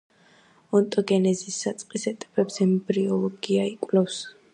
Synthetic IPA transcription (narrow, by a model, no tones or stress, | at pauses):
ɔnt̪ʼɔɡɛnɛzisːat̪sʼqʼisɛt̪ʼɛbɛbzɛmbɾiɔlˠɔɡiaikʼlɛfs